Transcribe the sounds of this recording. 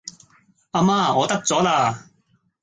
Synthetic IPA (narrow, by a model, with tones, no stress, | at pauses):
aː˧maː˧ɔː˨˧t̪ɐ˥k̚t͡sɔː˨˥laː˧˩